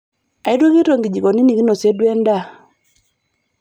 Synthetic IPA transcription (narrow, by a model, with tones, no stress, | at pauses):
a˨i˦dwo˦ke˦ɾo˨ŋɡi˨d͡ʒi˨kɔ˨ni˦ni˨ɡi˦no˨se˦dwɛ˦nda˦˨